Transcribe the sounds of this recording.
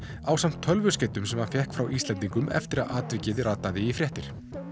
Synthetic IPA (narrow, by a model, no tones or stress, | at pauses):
aːwsam̥t̪ʰːœlvʏ̥sceːjt̪ʏmsɛmaðfjɛhkfɾawʔist̪lɛnt̪iŋkʏmɛ̰ft̪ɪɾa̰ðʔaːt̪vɪcɪðɾaːt̪ːaðɪifɾjɛht̪ɪɾ̥